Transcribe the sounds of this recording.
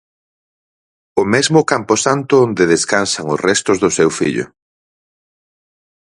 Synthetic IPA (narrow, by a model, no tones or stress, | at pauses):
ʊmɛzmʊkampʊsant̪ʊond̪eðeskansaŋʊsrɛst̪ʊzðʊsewfḭʎʊ̰